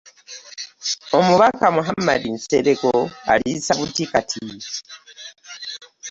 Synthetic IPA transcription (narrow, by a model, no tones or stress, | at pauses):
omuβakamuɦamadinseɾekoa̰lisaβutikatʰi